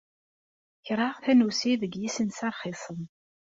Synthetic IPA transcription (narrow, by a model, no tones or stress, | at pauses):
çɾˤaʁθænusiðəɡjisənsɑɾˤχisˤəm